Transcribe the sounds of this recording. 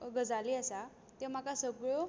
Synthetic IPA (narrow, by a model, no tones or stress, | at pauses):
ɡəd͡zaliəsa | t̪em̤akasəɡɭo